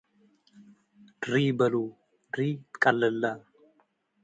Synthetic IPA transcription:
d̪ɾiːbɐluː | d̪ɾiːkʼɐlːɛlːa

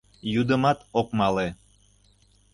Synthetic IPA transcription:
jud̪əmɑt̪okmɑle

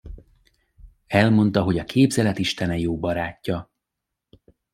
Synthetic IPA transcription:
ɛlmo̞nt̪ɒɦo̞ɟɒkʰeːbzɛlɛt̪iʃt̪ɛnɛjoːbɒɾaːcːɒ

